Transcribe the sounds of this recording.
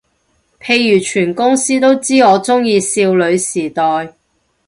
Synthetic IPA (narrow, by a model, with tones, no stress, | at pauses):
pʰe˧jːyː˨˩t͡ʃʰyː˨˩nkʊ˥ŋsiː˥t̪o˥wt͡siː˥ɔː˨˧t͡sʊ˥ŋjiː˧siː˧wlɵ˨˧ɥsiː˨˩t̪ɔː˨j